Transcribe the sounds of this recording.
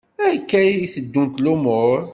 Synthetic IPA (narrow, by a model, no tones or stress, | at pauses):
æjəkːæjiθəd̪ːunt̪lumʊɾˤ